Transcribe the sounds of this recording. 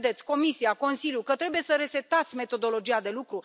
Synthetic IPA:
d̪e̞t̪sʲko̞misiako̞nsiljukət̪ɾe̞buje̞səɾe̞se̞t̪at̪sʲme̞t̪o̞d̪o̞lo̞d͡ʒijad̪e̞lukɾu

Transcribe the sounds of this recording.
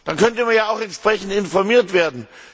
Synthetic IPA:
d̥ankʰœntəmanjaːaʊxɛntʃpʁ̥ɛçn̩tɪnfɔɐmiːɐtv̥eːɐdn̩

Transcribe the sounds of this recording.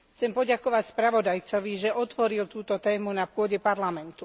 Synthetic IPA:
xt͡sɛmpɔɟakɔʋacspɾaʋɔd̪ajt͡sɔʋiʒɛʔɔt̪ʋɔɾilt̪uːt̪ɔt̪ɛːmunapʊɔɟɛpaɾlamɛnt̪u

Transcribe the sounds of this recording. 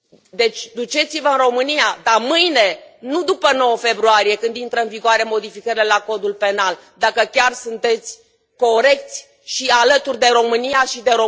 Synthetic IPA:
d̪e̞t͡ʃʲd̪ut͡ʃe̞t̪sivəɨnro̞mɨniad̪amɨjne̞nud̪upəno̞wəfe̞bɾuaɾije̞kɨnd̪int̪ɾəɨnviɡoaɾe̞mo̞d̪ifikəɾile̞lako̞d̪ulpe̞nal | d̪akəkʲarsunt̪e̞t̪sʲ | ko̞ɾe̞k̚t̪sʲ | ʃialət̪urʲd̪e̞ɾo̞mɨnijaʃid̪e̞ɾo

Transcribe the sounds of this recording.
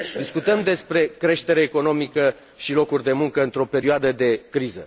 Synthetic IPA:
d̪iskut̪əmd̪e̞spɾe̞kɾe̞ʃt̪e̞ɾeːko̞no̞mikə | ʃilo̞kurʲd̪e̞muŋkəɨnt̪ɾo̞pe̞ɾioad̪əd̪e̞kɾizə̰

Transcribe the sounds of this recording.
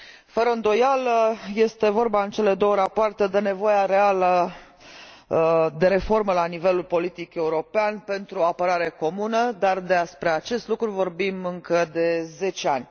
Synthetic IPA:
fəɾəɨnd̪o̞jalje̞st̪e̞vo̞rbaɨnt͡ʃe̞le̞d̪o̞wəɾapoart̪e̞d̪e̞ne̞vo̞jaɾe̞alə | d̪e̞ɾe̞fo̞rməlanive̞lulpo̞lit̪ike̞uɾo̞peanpe̞nt̪ɾuoapəɾaɾe̞ko̞munəd̪ard̪easpɾe̞at͡ʃe̞st̪lukɾuvo̞rbimɨŋkəd̪e̞ze̞t͡ʃeanʲ

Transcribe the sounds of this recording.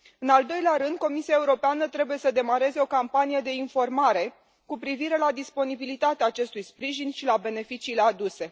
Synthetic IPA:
ɨnald̪o̞jleaɾɨnd̪̚ko̞misiae̞uɾo̞peanət̪ɾe̞buje̞səd̪e̞maɾe̞ze̞o̞kampanije̞d̪e̞info̞rmaɾe̞ | kupɾiviɾe̞lad̪ispo̞nibilit̪at̪eaːt͡ʃe̞st̪ujspɾiʒinʃilabe̞ne̞fit͡ʃiːlead̪use̞

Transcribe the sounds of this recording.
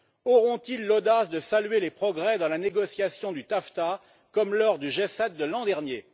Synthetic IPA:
ɔʁɔ̃t̪ilːod̪asd̪əsalɥelepχɔɡʁɛd̪ɑ̃laneɡɔsjasjɔ̃d̪yt̪aft̪a | kɔmlɔʁd̪yʒesɛt̪̚d̪əlɑ̃d̪ɛʁnje

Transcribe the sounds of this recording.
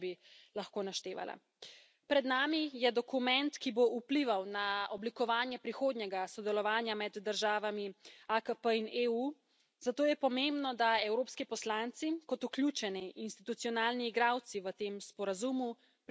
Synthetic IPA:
bilaxkoːnaʃt̪eːʋa̰la̰ | pɾɛd̪naːmijɛd̪ɔkumɛnt̪kiboʔupliʋawnaɔblikɔʋaːnjɛpɾixoːd̪ɲɛɡasɔd̪ɛlɔʋaːnjamɛd̪ːəɾʒaːʋamiakəpəineu | zat̪oːjɛpɔmembnɔd̪aɛwɾoːpskipɔslant̪sikɔt̪uklʲjuːt͡ʃɛniʔinst̪it̪ut̪siɔnaːlniːɡɾaːwt̪siʋət̪eːmspɔɾazumu | p

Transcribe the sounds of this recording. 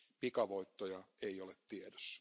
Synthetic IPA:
pikɑʋoit̪ːojɑeiolet̪t̪iedø̥s

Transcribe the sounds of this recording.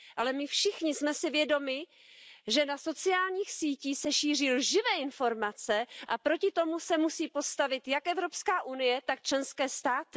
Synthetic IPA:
ʔalɛmɪfʃɪxɲɪsmɛsɪvjɛdo̞mɪ | ʒɛnaso̞t͡sɪaːlɲiːxsiːciːsɛʃiːr̝ɪlʒɪvɛːɪnfo̞ɾmat͡sɛʔapɾo̞cɪt̪o̞musɛmusiːpo̞st̪avɪt̪jakʔɛvɾo̞pskaːʔunɪjɛt̪akt͡ʃlɛnskɛːst̪aːt̪ɪ

